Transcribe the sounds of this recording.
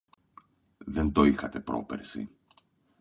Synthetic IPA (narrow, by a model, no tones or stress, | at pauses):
ðe̞nt̪o̞ixɐt̪e̞pɾo̞̰pḛɾsḭ